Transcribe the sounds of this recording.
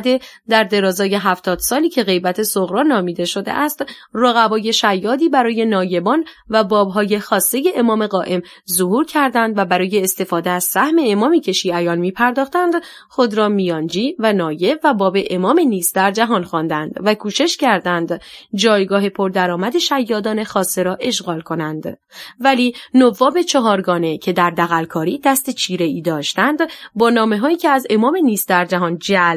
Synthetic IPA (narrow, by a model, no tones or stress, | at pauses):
d̪e̞ | d̪æɾd̪e̞ɾɒːzɒːje̞ɦæft̪ʰɒːd̪̥sɒːliːcʰe̞ɣe̞jbæt̪ʰe̞soɣɾɒːnɒːmiːd̪e̞ʃo̞d̪eʔæst̪roɣæbɒːje̞ʃæjːɒːd̪iːbæɾɒːje̞nɒːje̞bɒːn | væbɒːbɦɒːje̞xɒːst̪e̞je̞ʔːmɒːme̞ɣɒːʔe̞m | zoɦuːɾcʰæɾd̪ænd̪væbæɾɒːje̞ːst̪e̞fɒːd̪e̞æz̥sæhme̞ːmɒːmiːcʰe̞ʃiːæjɒːnmiːpʰæɾd̪ɒːχt̪ænd̪ | xo̞d̪ɾɒːmijɒnd͡ʒiːvænɒːje̞væbɒːbe̞ʔemɒːmeniːsd̪æɾd͡ʒæɦɒːnxɒːnd̪ænd̪vækʰuːʃe̞ʃcʰæɾd̪ænd̪d͡ʒɒːjɡɒːɦe̞pʰo̞ɾd̪æɾɒːmæd̪e̞ʃæjːɒːd̪ɒːne̞xɒːst̪e̞ɾɒːʔe̞ʃɣɒːlkʰo̞nænd̪ | væliːnovɒːbe̞t͡ʃʰɒɦɒːɾɡɒːne̞cʰe̞d̪æɾd̪æɣælkʰɒːɾiːd̪æst̪et͡ʃʰiːɾe̞iːd̪ɒːʃt̪ænd̪bɒːnɒːme̞ɦɒːiːcʲʰeæze̞mɒːmeniːsd̪æɾd͡ʒæɦɒːnd͡ʒæl